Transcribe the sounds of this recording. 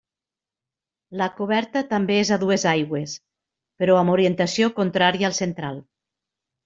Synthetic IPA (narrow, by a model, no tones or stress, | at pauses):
lakuβɛɾt̪ət̪ambeezaðuezajɣwes | peɾɔamoɾient̪asiokont̪ɾaɾiaːlˠsent̪ɾalˠ